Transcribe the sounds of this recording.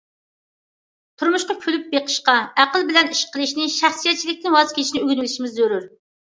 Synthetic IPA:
t̪ʰuɾmuʃqɑkʲʰylyp̚beqʰə̥ʃqɑæqəlˠbɪlɛniʃqʰəlˠɨʃnɪʃæχsijɛt̪̚t͡ʃʰilɪk̚ʲt̪ɪnwɑzkʲʰeiʃnɪøɡʲnɪlɪʃimɪzːøɾyɾ

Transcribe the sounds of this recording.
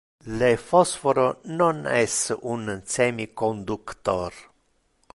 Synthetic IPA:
lefɔsfoɾononɛsunsɛmikond̪ukt̪ɔɾ

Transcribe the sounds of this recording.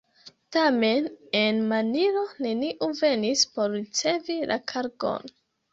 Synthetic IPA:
tame̞nenmaniɾo̞ne̞niʔuve̞nispo̞ɾːit͡se̞vilʔa̰kʰaɾɡo̞̰n

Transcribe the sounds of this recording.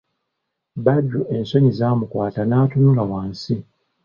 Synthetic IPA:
badːuʔenso̞ɲizaːmukwaːtanaːtunulawaːnsi

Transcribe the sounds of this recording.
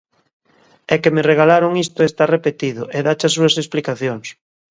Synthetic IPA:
ɛkemereɣalaɾoŋist̪ʊest̪arepet̪iðʊʔeðat͡ʃas̬uɐsesplikaθjoŋs

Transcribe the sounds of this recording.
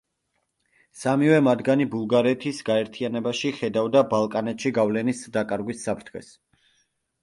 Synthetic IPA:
samivɛmad̪ɡanibulˠɡaɾɛt̪ʰisɡaɛɾt̪ʰianɛbaʃiχɛd̪avd̪abalˠkʼanɛt̪ʃiɡavlɛnisd̪akʼaɾɡwisːapʰɾt̪ʰχɛ̰s

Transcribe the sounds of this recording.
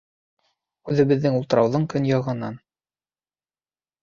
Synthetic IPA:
ʉðɘ̆βɘ̆ðːɘŋulˠt̪ɤ̆ɾɑwðɤɴkɵnjɑʁɤ̆nɑn

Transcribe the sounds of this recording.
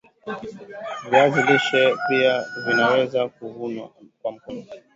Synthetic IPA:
viaziliʃɛpiavinawɛzakuvunakwam̩kɔna

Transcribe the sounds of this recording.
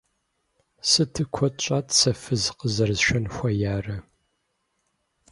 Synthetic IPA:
sɨtʰɨkʷʰɔtt͡ʃʼaːtsɐfɨzqəzɐrzʃʷᶣɐnxʷɐjaːrɐ

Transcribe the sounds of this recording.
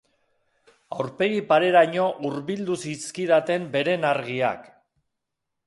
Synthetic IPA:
awɾpe̞ɣipaɾe̞ɾaɲo̞ʔuɾβild̪usiskiðat̪e̞mbe̞ɾe̞naɾɣia̰k

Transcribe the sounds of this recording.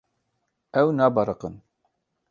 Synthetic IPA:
ɛwnaːbɑɾəqən

